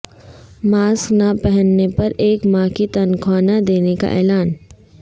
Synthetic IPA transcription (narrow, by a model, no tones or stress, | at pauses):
maːsknapɛɦənːepɐɾeːkmãːkit̪ɐnkʰaːnad̪eːneka̰ʔɛ̰ːlaːn